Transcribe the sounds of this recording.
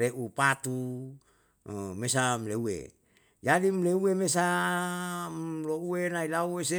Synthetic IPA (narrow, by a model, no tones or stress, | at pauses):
ɾeʔupat̪u | mesamleuḛ | jadimleuwemes̬a | louenailauwese